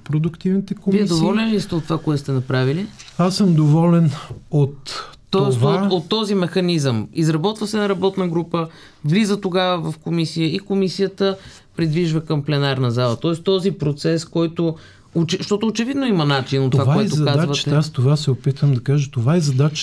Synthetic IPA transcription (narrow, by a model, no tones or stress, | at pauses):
pɾod̪ʊkt̪ivnit̪ɛkoviɛd̪ovɔlʲɛnist̪ɛot̪ːvakoɛt̪st̪ɛnɐpɾaviliasəmd̪ovɔlɛnot̪ | t̪ːɔoɛsvot̪ːɔzimɛxɐnizəmizɾɐbɔt̪vəsɛnɐɾɐbɔt̪nəɡɾupə | vlizət̪oɡavəvɐfkomisijəikomisijət̪ə | pɾid̪viʒvəkəmplɛnaɾnɐzalˠət̪ɔɛst̪ɔzipɾot̪sɛskɔjt̪o | ot͡ʃɛʃt̪ɔt̪oːt͡ʃɛvid̪noimɐnat͡ʃinot̪vavɔɛt̪ozɐkazvət̪ast̪ovasɛopit̪vəmd̪ɐkaʒət̪ovaɛzɐd̪at͡ʃ